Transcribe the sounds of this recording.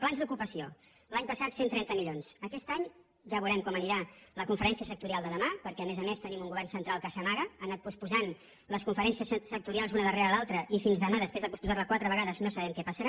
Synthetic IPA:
planzðukupəsio | laɲpəsat̪sent̪ɾɛnt̪əmiʎonsəkɛst̪aɲ | ʒaβuɾɛmkɔməniɾaləkuɱfəɾɛnsiəsək̚t̪uɾialˠd̪əðəmapəɾkɛəmezəmest̪ənimuŋɡuβɛrnsənt̪ɾalˠkəsəmaɣəanat̪̚puspuzan | ləskuɱfəɾɛnsiəssək̚t̪uɾialˠzðunəðəreɾəlalˠt̪ɾəʔifinzðəmaðəspezðəpuspuzarləkwat̪ɾəβəɣaðəznosəβɛmkɛpəsəɾa

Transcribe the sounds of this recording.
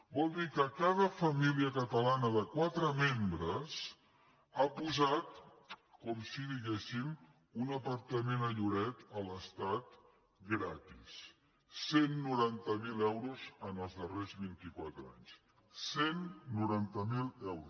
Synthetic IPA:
bɔlˠd̪ikəkað̞əfəmiliəkət̪əlanəðəkwat̪ɾəmembɾəs | apuzat̪ | kɔmsiðiɣɛsim | unəpəɾt̪əmenəʎuɾɛt̪ələst̪at̪ | ɡɾat̪is | senːuɾant̪əmilɛwɾuzənəlˠzðərezβint̪ikwat̪ɾa̰ɲs | senːuɾant̪əmilɛwɾu

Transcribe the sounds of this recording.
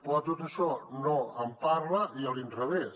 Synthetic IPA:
pɔt̪ot̪əʃɔnoəmpaɾləʔiəlint̪ɾəβes

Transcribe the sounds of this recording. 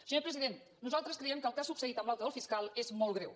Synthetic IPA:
səɲoɾpɾəziðen | nuzalˠt̪ɾəskɾɛiɛmkəlˠkasupsəɣit̪əmbalˠt̪əðolˠfiskalˠezmɔlˠɣɾɛw

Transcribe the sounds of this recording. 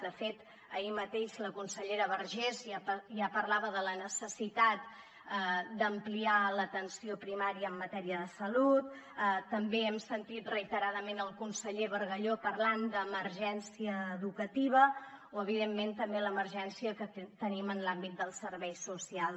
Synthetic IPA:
d̪əfet̪ | əimət̪eʃləkunsəʎeɾəβəɾʒezʒapəɾlaβəðələnəsəsit̪at̪̚ | əd̪əmplialət̪ənsiopɾimaɾiəːmːət̪ɛɾiəðəsəlut̪ | ət̪ːəmbeɛmsənt̪it̪rəit̪əɾaðəmenəlˠkunsəʎeβəɾɣəʎopəɾland̪əməɾʒɛnsiəːðukət̪iβ̞əoəβ̞iðemːent̪əmbeləməɾʒɛnsiəkət̪ənimənlambit̪̚d̪əlˠsəɾβɛjsusial

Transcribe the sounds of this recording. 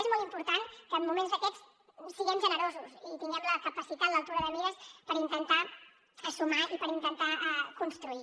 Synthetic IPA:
ezmɔlˠimpuɾt̪ankəːmːumenzðəkɛt͡s | siɣɛmʒənəɾozusit̪iŋɡɛmləkəpəsit̪at̪ləlˠt̪uɾəðəmiɾəspəɾint̪ənt̪a | əsumaipəɾint̪ənt̪aɛkunst̪ɾui

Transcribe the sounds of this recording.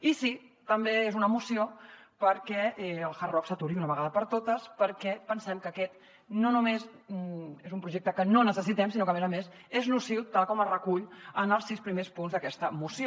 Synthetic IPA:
isit̪əmbeezunəmusiopəɾkɛɛəlˠxərɔfsət̪uɾiunəβəɣaðəpəɾt̪ot̪əspəɾkɛpənsɛmkəkɛt̪ | nonumez | ezumpɾuʒek̚t̪əkənonəsəs̬it̪ɛmsinokəmɛzəmez | eznusiwt̪alˠkɔmərəkuʎənəlˠsispɾimespunzðəkɛst̪əmusio

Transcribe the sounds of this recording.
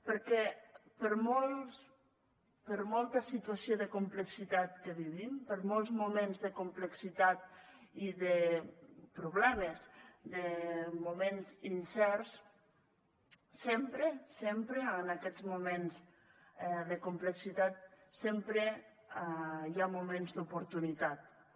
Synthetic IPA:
pəɾkɛpəɾmɔlˠs | pəɾmɔlˠt̪əsit̪uasioðəkumpləksit̪at̪kəβiβimpəɾmɔlˠzmumenzðəkumpləksit̪at̪̚iðə | pɾuβlɛməzd̪əmumenzinsɛɾs | sempɾesempɾeənakɛd͡zmumenz | ðəkumpləksit̪at̪̚sempɾe | jamumenzd̪upuɾt̪unit̪at̪̚

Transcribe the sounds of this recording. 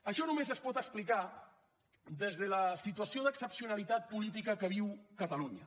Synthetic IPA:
əʃɔnumezəspɔt̪əksplika | d̪ezðələsit̪uəsioðəksəpsiunalit̪at̪̚pulit̪̬ikəkəβ̞iwkət̪əluɲə̰

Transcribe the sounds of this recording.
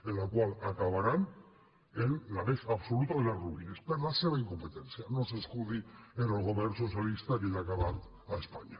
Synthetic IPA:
elakwalakaβaɾan | enːaβesaβso̞lut̪oenaɾruɣinespeɾlaseβajiŋko̞mpe̞t̪e̞nt͡siano̞seskuðienolɣo̞βerɾso̞sjalist̪akinakaβat̪ | aespaɲa

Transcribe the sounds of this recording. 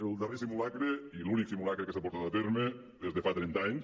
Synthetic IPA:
elˠd̪aresimulakɾeiluniksimulakɾekesapoɾt̪at̪at̪eɾme | ðezðefat̪ɾɛnt̪aɲs

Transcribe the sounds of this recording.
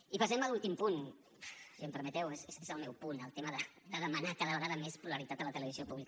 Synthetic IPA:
ipəsɛməlulˠt̪impun | siəmpəɾmət̪ɛwesesezəlˠmɛwpunəlˠt̪eməðə | d̪əðəmənakaðəβəɣaðəmespuləɾit̪at̪ələt̪ələβ̞iziopuβlik

